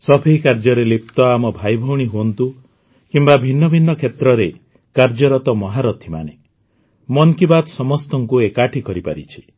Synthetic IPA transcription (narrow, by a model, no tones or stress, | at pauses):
sɔbʰʱikaɾd͡ʒɔɾelip̚t̪ɔamɔbʱajbʱɔwɽ̃iɦuɔnt̪u | kimbabʱinːɔbʱinːɔkʰet̪ɾɔɾe | kaɾd͡ʒɔɾɔt̪ɔmɔɦaɾɔt̪ʰimane | mɔnkibad̪sɔmɔst̪ɔŋkuekaʈʰikɔɾipa̰ɾit͡ʃʰi̥